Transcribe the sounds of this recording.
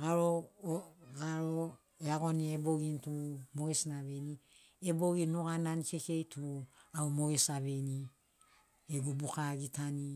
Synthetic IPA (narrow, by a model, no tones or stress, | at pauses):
ɡaɾo | ɡaɾo | eaɡonieboɡintumoɡesnaβeni | eboɡinuɣananikekejtuaumoɡesaβeni | eɡubukaɡitani